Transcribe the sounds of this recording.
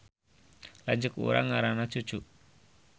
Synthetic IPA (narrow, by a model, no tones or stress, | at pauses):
laɲd͡ʒʊkṵɾa̰ŋːaɾanḁt͡ʃu̥t͡ʃuʔ